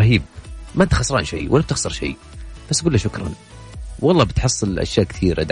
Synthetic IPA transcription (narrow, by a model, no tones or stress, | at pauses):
ɦiːb̚maʔt̪xɑsˤɾɑ̰ːnʃḛjwalːab̚t̪ɪxsɑɾˤʃḛː | b̥asːʔaɡulːaʃʊkɾˤɑ̰n | wɑlˤːɑːbɪt̪ħɑsˤːɨlʔa̰ʃjaːʔkθiːɾa̰d̪